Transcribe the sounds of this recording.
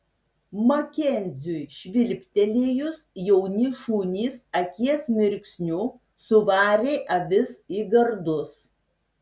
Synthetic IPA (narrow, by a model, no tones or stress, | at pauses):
mɐkʲɛnʲzʲuːjʃʲʋʲɪlʲpʲt̪ʲɛlʲiːjʊsjɛʊnʲiʃuːnʲiːsɐkʲiɛsmʲɪɾʲkʲsʲnʲuː | sʊʋɑːɾʲeːʔɐʋʲɪsiːɡɐɾd̪ʊs